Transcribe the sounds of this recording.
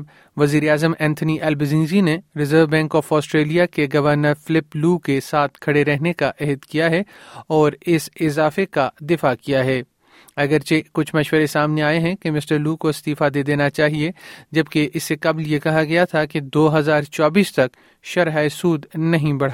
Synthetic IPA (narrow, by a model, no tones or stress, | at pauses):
b | ʋɐziːɾeaːzəmʔɛ̃ːnt̪ʰəniʔɛːlbɪzĩːnzineɾɪzəɾʋbɛ̃ːŋkɔːfɔːsʈɾeːlijakeɡɐʋəɾnəɾfɪlɪpluːkesaːt̪ʰkʰɐɽeɾɛɦnekaʔɛɦəd̪kijaɦɛɔːɾɪsɪzaːfekad̪ɪfakijaɦɛː | ɐɡəɾt͡ʃekʊt͡ʃʰmɐʃʋəɾesaːmneaːeɦɛ̃kemɪsʈəɾluːkoɪst̪iːfad̪eːd̪eːnat͡ʃaːɦied͡ʒɐb̚keʔɪsːekɐbljekɐɦaɡɐjat̪ʰaked̪oːɦɐzaːɾt͡ʃaːbiːst̪ɐk | ʃɐɾɦaɪsuːd̪nɐɦĩbɐɽ̤a